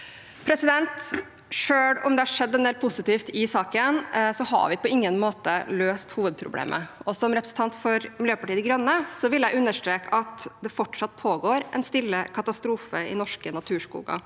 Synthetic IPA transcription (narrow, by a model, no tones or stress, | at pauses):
pʰɾɛsɪd̪ɛnt̪ | ʂøːɽʊmd̪ɛhɑʂɛd̪ːɛnd̪ɛːlpʰʊsɪt̪iːft̪ɪsɑːkənsɔhɑ̰ʋɪpɔɪŋːənmoːt̪ə̰løːst̪huːʋəd̪̚pʰɾʊ̰blḛːmʔə̰ɔsɔmɾɛpɾəsn̩t̪ɑnt̪fɔɾmɪljøːpɑʈiːəd̪ɪɡɾɑnːəsɔʋɪljæɪʉnːəʂʈ̪ɾeːkɑt̪d̪ɛfɔʈʂɑt̪̚ːpʰoːɡoːɾʔɛ̰nst̪ɪlːəkʰɑt̪ɑst̪ɾuːfəɪ̰nɔʂkənɑt̪ʰʉːʂkṵːɡɑ̰